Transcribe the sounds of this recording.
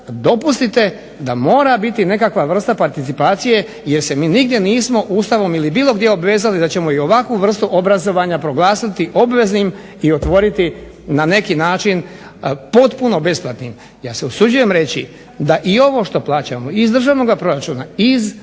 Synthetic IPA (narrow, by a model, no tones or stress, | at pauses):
d̪o̞pust̪it̪e̞ | d̪amo̞ːɾabit̪ine̞kakʋaʋr̩st̪apaɾt̪it̪sipaːt̪sije̞ | je̞ɾse̞miːniɡd̪je̞niːsmo̞ʔuːst̪aʋo̞milibiːlˠo̞ɡd̪je̞obʋe̞ːzalid̪at͡ɕe̞mo̞io̞ʋakʋuʋr̩st̪uʔo̞bɾazo̞ʋaɲapɾo̞ɡlˠaːsat̪iʔo̞bʋe̞znim | io̞t̪ʋo̞ɾit̪i | nane̞kinaːt͡ʃin | po̞t̪puno̞be̞splˠat̪nim | jaːseosud͡ʑuje̞mɾe̞t͡ɕḭ | d̪aʔio̞ʋo̞ʃt̪o̞plˠaːt͡ɕa̰mo̞izd̪r̩ʒaːʋno̞ɡapɾo̞ɾat͡ʃuːnaiz